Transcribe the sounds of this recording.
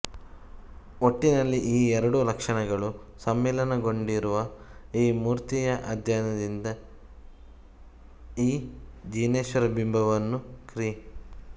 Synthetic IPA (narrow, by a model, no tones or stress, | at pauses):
oʈːinɐlːiʔiːɛɾɐɽulɐkʂɐɳɐɡɐɭu | sɐmːɛːlɐnɐɡo̞ɳɖiɾuʋɐiːmuːɾt̪ijɐʔɐd̪ʱjaːnɐd̪ind̪ɐ | iːd͡ʒiːneːʃʋɐɾɐbimbʱɐʋɐnːukɾi